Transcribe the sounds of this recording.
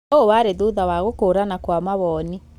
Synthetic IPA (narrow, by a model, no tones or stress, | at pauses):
owaːɾeðoðawaɣokoːɾanakwamaβɔni